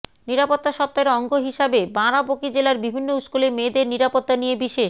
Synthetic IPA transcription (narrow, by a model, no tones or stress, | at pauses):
niɾapot̪ːaʃɔp̚t̪aeɾɔŋɡoɦiʃabebãɾabokid͡ʑelaɾbibʱinːouskulemed̪eɾniɾapot̪ːanijebiʃeʃ